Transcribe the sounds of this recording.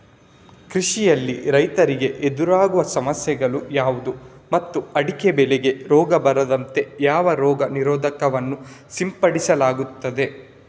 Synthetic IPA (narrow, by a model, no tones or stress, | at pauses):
kɾiʂijɐlːiɾɐjt̪ɐɾiɡe̞ʔed̪uɾaːɡuʋɐsɐmɐsjɛɡɐɭujaːʋud̪umɐt̪ːuɐɽikebɛleɡe̞ɾɔːɡɐbɐɾɐd̪ɐnt̪e̞jaːʋɐɾɔːɡɐniɾɔːd̪ʱɐkɐʋɐnːusimpɐɽisɐlaːɡut̪ːɐd̪e̞